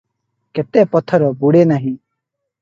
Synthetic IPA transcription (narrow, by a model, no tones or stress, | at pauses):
ket̪epɔt̪ʰɔɾɔbuɽenaɦĩ